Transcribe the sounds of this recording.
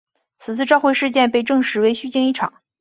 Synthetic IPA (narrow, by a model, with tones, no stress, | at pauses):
t͡sʰɹ̩˨˩t͡sʰɹ̩˥˧ʈ͡ʂɑ˥˧ʊxwe˥˧ɪʂɻ̩˥˧t͡ɕjɛ˥˧npe˥˧ɪʈ͡ʂɤ˥˩ŋʂɻ̩˧˥we˧˥ɪɕy˥˧t͡ɕi˥˧ŋi˥˩ʈ͡ʂʰɑ̰˨˩˦ŋ